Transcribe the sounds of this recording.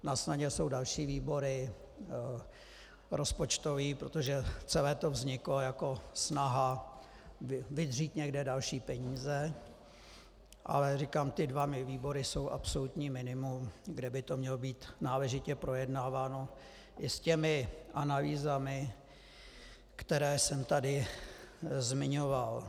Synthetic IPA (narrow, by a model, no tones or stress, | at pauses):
nasnaɲɛso̞wdalʃiːviːbo̞ɾɪ | ɾo̞spo̞t͡ʃt̪o̞viːpɾo̞t̪o̞ʒɛt͡sɛlɛːt̪o̞vzɲɪklojako̞snaɦa | vɪdriːt̪ɲɛɡdɛdalʃiːpɛɲiːzɛ | ʔa̰lɛrikaːmt̪ɪdvamɪviːbo̞ɾɪso̞wʔa̰psolut̪ɲiːmɪnɪmumɡdɛbɪt̪o̞mɲɛlobiːt̪naːlɛʒɪcɛpɾo̞jɛdnaːvaːno | ʔɪscɛmɪʔanaliːzamɪ | kt̪ɛɾɛːsɛmt̪adɪ | zmɪɲoval